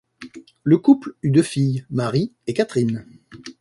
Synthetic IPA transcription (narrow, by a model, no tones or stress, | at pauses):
ləkuplyd̪øfijmaʁiekat̪χin